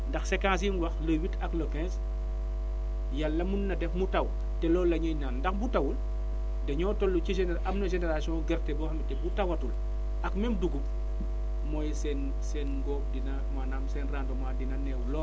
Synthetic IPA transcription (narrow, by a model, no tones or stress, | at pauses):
ndɐxsɛkãːs̬inwɐxlɐwitʰɐklɔkɛ̃ːns | jalːɐmunːɐdɛfmutɐw | tɛlɔːlːɐɲɐjnaːndɐxbutɐwul | dɐɲɔːtɔlːuciʒɛnʔɐmnɐʒɛnɛɾasijɔ̃ːɡɛɾtɛbɔːxɐmitɛbutɐwɐtul | ɐkmɛmduɡup | mɔːjsɛn | sɛːnɡɔdinɐmanamsɛːnraːndɔmadinɐnɛwlɔ